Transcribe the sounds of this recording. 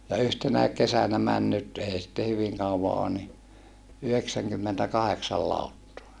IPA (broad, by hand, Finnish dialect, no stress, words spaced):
jɑ yhtenæik kesænæ mæn nyt eˑi sitːe hyʋiŋ kɑuʋɑ oːn ni yhdeksæŋkymːentækɑheksɑl lɑˑutːoɑ